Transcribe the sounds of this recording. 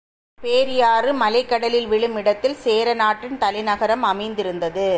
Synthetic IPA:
peːɾɪjaːɾɯmɐlɐɪkːɐɽɐlɪlʋɪɭɯmɪɽɐt̪ːɪlseːɾɐnaːʈːɪnt̪ɐlɐɪnɐɣɐɾɐmɐmɐɪnd̪ɪɾɯnd̪ɐðɯ

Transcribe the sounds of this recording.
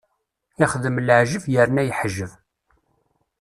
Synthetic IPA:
ɪχðəmlʕʒəvjəɾnæjħəʒːəv

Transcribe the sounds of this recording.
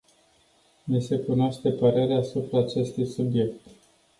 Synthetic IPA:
nise̞kunoaʃt̪e̞pəɾe̞ɾeasupɾaːt͡ʃe̞st̪ujsubje̞kt̪

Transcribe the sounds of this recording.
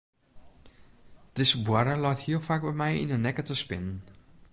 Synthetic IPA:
d̥ɪsəbwaɾəlɔjthiəlˠfaːk̚bɛmɛjḭnənɛkətəspɪnən

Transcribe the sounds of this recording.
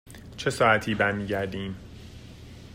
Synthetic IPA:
t͡ʃʰe̞sɒːæt̪ʰiːbæɾmiːɟæɾd̪iːm

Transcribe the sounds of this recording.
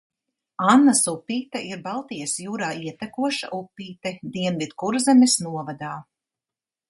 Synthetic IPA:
anːasupːiːt̪aʔiɾbalˠt̪ijasjuːɾaːiɛt̪akuɔʃa̰ʔupːiːt̪ɛd̪iɛnvid̪kuɾzɛmʲɛsnuɔvad̪aː

